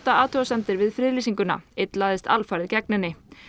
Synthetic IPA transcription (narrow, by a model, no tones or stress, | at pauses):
t̪aaːt̪ʰɔɣasɛmt̪ɪɾvɪðfɾɪːlisiŋkʏna̰ɪt̪laːðɪst̪ʰa̰lfaɾðcɛknɪnːɪ